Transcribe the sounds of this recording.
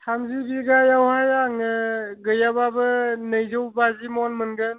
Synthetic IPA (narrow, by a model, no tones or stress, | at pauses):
tʰamzibiɡajawhajaŋɯɡɯjababɯnɯjzɯwbazimɔnmɯnɡɯn